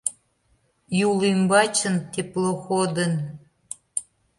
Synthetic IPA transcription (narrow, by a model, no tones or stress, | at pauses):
julimbɑt͡ɕə̆nt̪eploxod̪ən